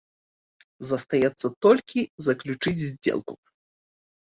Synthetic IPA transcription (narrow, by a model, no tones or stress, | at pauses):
zɐst̪ajɛt̪sːɐt̪ɔlʲkʲizɐklʲut͡ʂɨd͡zʲzʲd͡zʲɛ̰lˠku̥